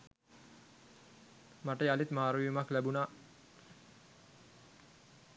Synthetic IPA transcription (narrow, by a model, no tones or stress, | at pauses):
maʈəalit̪maːɾʋijumaklæbunaː